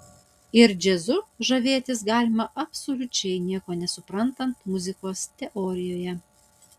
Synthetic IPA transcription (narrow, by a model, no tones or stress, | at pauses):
ɪɾd͡ʒʲɛzʊʒɐʋʲeːt̪ʲɪs̬ɡɑːlʲɪmɐʔɐpsolʲʊt͡ʃʲɛɪnʲiɛkoːnʲɛsʊpɾɐnt̪ɐnt̪mʊzʲɪkoːst̪ʲɛʔɔɾʲɪjoːjɛ